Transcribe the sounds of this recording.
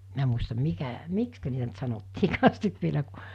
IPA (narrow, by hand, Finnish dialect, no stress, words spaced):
minæ muistɑm mikæ mikskæ niːtæ nt sɑnotːiːkɑːs sit ʋielæ ku